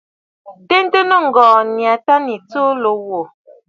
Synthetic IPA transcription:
te˦n˦tə˦nə˦˨ŋ̩˨ɡɔ̃ː˨nja˨ta˦ni˨t͡so˦lo˨˦wo˨

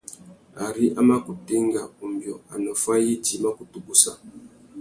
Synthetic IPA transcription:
a˨ɾi˦ʔa˦ma˦ku˨ti˦ŋ˦ɡa˨u˨mbjɔ˨a̰˨nɔ˨fa˦ji˦d͡ʒi˨˦ma˦ku˨tu˨ku˦sa˦˨

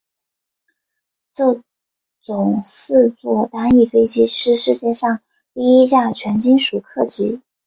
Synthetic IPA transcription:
t͡sɤ˥˩ | t͡sʊ˨˩ŋsɹ̩˥˧t͡swɔ˥˩t̪a˥ni˥˩fe˥ɪt͡ɕi˥ʈ͡ʂʰɻ̩˥ʂɻ̩˥˧t͡ɕjɛ˥˧ʂɑ˥˧ŋ | t̪i˥˩i˥t͡ɕja˥˩t͡ɕʰɥɛ˧˥nt͡ɕi˥nʂu˨˩kʰɤ˥˩t͡ɕi˧˥

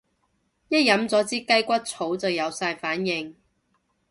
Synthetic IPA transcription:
jɐ˥t̚jɐ˨˥mt͡sɔː˨˥t͡siː˥kɐ˥jkʷɐ˥t̚t͡sʰo˨˥wt͡sɐ˨wjɐ˨˧wsaː˧jfaː˨˥njɪ˨ŋ

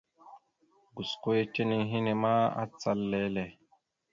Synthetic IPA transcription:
ɡu˨sko˦e˦t͡ʃe˦ni˦ŋɦi˦ne˨ma˦a̰˦t͡sa˦lːɛ˦lɛ˨

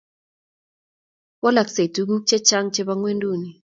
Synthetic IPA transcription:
wɔ˦la˨kse˨tu˦k̩˦t͡ʃe˦t͡ʃa˦ŋt͡ʃe˦ba˦ŋwe˦ndu˦˨ni˨

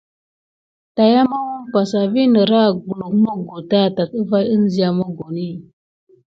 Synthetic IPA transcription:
ta˨ja˦ma˦wu˦npa˨sa˨vi˦nə˨ɾa˦˨ɡu˨lu˨k̚mə˦ɡo˨ta˦˨ta˨kə˦va˦jə˦n˦zi˦ja˨ma˦ɡo˨ni˦˨

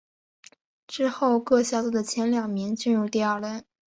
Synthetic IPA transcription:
ʈ͡ʂɻ̩˥xo˥˧ʊkɤ˥˧ɕja˥˩t͡su˥˩d̪ə˩t͡ɕʰjɛ˧˥nljɑ˨˩ŋmi˧˥ŋt͡ɕy˥˧nɻu˥˧t̪i˥˧a˞˥˧˩lə˥˩n

